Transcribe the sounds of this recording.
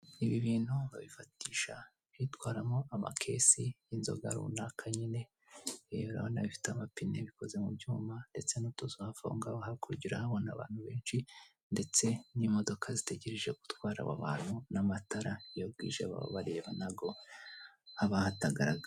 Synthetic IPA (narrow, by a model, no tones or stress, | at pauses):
niβiβiːnhuβa̰βifatiːʃa̰ | hitwaːɾamoʔama̰kʰe̞̰sijinzo̞̰ɡa̰ɾṵunakʰaɲine̞ | ɾa̰βonaβifi̥tamapineβiko̞ze̞mubɟuːmande̞t͡se̞nutozohafo̰ːŋɡaɦakuɾuɟiɾahaβo̞naβa̰ːn̥huβe̞ːnʃi | nde̞t͡se̞nimo̞do̞kʰazite̞ɟe̞ɾeʒe̞ɡu̥twaːɾa̰βa̰βa̰ːn̥hunamataɾajoɾɡḭːʒe̞̰βa̰βa̰βaɾe̞βanaɡo̞ | aβahataɡaɾaɡa